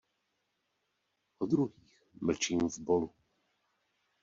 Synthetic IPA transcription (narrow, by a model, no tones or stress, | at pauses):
ʔɔd̪ɾuɦiːxml̩t͡ʃiːmvbolu